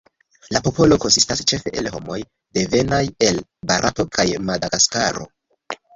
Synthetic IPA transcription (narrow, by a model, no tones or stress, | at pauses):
lapo̞po̞lo̞ko̞nsistast͡ʃe̞fe̞ʔelɦo̞̰mo̞j | de̞ve̞naje̞lbaɾʔa̰to̞kʰajmadaɡaska̰ɾo̞̰